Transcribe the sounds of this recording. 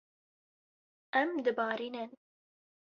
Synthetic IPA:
ɛmd̪ɨbɑːɾinɛn

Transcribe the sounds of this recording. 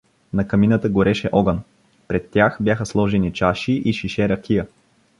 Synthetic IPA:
nɐkɐminət̪əɡoɾɛʃɛʔɔɡən | pɾɛt̪ːjaxbʲjaxəslˠɔʒɛnit͡ʃaʃiʔiʃiʃɛɾɐkʲijə

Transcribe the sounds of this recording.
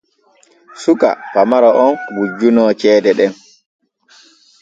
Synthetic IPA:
suka̰pamaɾɔʔɔnwud͡ʒːunɔːt͡ʃɛːdɛɗɛn

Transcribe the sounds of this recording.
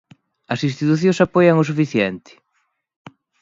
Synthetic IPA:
ɐsĩst̪it̪uθjõsapɔjɐŋʊs̬ufiθjɛnt̪ɪ̥

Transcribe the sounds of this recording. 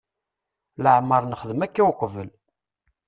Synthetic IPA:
ləʕməɾˤnəχəðəmækːawqvəl

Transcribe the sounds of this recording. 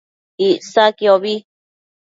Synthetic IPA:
isakioβi

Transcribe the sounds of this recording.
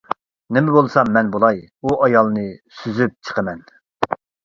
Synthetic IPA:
nɪmɛbolˠsɑmːɛnbolˠɑjuɑjɑlˠnɨsyzyp̚t͡ʃʰə̥qʰəmɛn

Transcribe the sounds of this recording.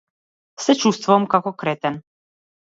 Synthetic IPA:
sɛt͡ʃust̪vɔɔmkakɔkɾɛt̪ɛn

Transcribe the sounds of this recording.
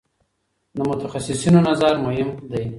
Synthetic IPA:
d̪əmʊt̪axasɪsinonazaɾmʊɦɪmd̪aj

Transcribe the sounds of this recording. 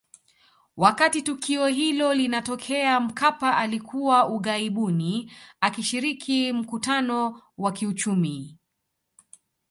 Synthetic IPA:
wakatitukiɔɦilɔlinatɔkʰɛam̩kʰapaʔalikʰuwauɠaiɓuniakiʃiɾikʰim̩kutanɔwakiut͡ʃumi

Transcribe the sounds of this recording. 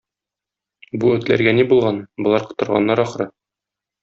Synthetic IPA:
buɵ̆t̪læ̰ɾɡænibulˠʁɑnbŏlˠɑɾqɤ̥̆t̪ɤ̆ɾʁɑ̰nːɑɾɒχɾɤ

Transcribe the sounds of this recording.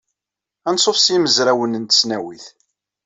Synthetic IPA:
ænsˤofsiməzɾæwənənt̪ə̥snæwiθ

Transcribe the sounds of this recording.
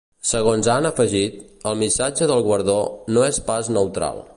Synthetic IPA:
səɣonzanəfəʒit̪ | əlˠmisad͡ʒəðəlˠɣwəɾðonoespaznəwt̪ɾa̰lˠ

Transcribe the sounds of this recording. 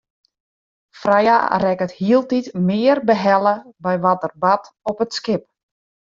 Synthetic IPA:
fraja̰rɛkəthiəlˠtitmɪərbəɦɛlˠəbɛjʋɔtərbatɔpətskɪp̚

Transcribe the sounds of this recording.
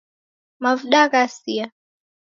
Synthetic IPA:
mavɗakasia

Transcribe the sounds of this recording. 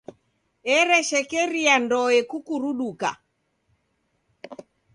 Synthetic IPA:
ɛɾɛʃɛkɛɾiandɔɛkukuɾuɗuka̰

